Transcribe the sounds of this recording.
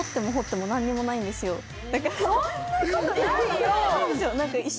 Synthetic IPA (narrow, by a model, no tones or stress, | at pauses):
ot̪ːe̞moɦo̞t̪ːe̞mo̞nãɲ̟ːimo̞naĩnd̪e̞sɨjo̞ | d̪̥akaɾ | sonãŋkaiɕ